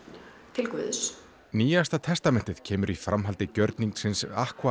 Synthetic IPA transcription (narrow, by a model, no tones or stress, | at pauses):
t̪ʰɪlkvɪ̰ðs | niːjast̪at̪ʰɛst̪amɛn̥t̪ɪð̥cʰɛːmʏɾifɾamɦalt̪ɪcœɾt̪niŋksɪnsa̰hkva